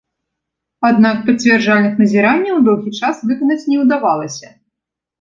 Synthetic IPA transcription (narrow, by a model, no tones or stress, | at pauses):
ad̪nak̚pɐt͡sʲvʲɛrd͡ʐalʲnɨxnɐzʲɛɾanʲːɐwd̪ɔwɣʲit͡ʂasvɨkɐnɐt͡sʲnʲɛwd̪avalˠɐsʲɐ